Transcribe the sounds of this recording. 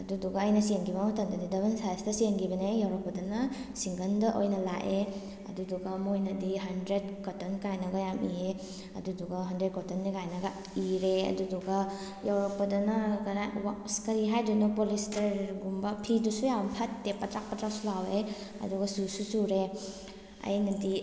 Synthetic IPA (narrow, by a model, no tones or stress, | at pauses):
ɐduduɡaːjnɐsienɡibamɔtandadidɐbɐnsajstɐsienɡibɐnejawɾɔpːɐdɐnasiŋɡɐndɐʔojnɐlaʔe | ɐ̰duduɡamojnɐdiɦandɾed̚kɔtɔnkajnaɡajamie | ɐ̰duduɡaɦɐndɾed̚kɔtɔnːikajnaɡa | iɾeɐ̰duduɡɐ | jawɾɔpːɐdɐnakɾawaskɐɾiɦajdunupɔlistɐɾɡumbɐpʰidusujampʰatːepːatɾak̚pɐtɾak̚sulawe | ɐ̰duɡɐsususuɾe | ɐ̰jnɐdi